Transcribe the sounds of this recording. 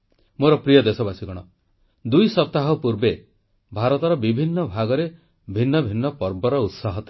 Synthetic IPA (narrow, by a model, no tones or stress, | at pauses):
moɾɔpɾijɔd̪esɔbasiɡɔɽ̃ɔ | d̪ujsɔp̚t̪aɦɔpuɾbe | bʱaɾɔt̪ɔɾɔbibʱinːɔbʱaɡɔɾe | bʱinːɔbʱinːɔpɔɾbɔɾɔut̪saɦɔt̪i̥